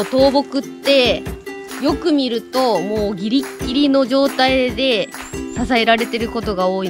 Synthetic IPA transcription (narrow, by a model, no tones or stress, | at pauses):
t̪o̞ːbo̞kɯ̟t̪ːe̞ | jo̞kɯ̟mʲiɾɯ̟t̪o̞mo̞ːɡʲiɾʲikʲːiɾʲino̞ʑo̞ːt̪aid̪e̞sasae̞ɾaɾe̞t̪e̞ɾɯ̟ko̞t̪o̞ɡao̞ːi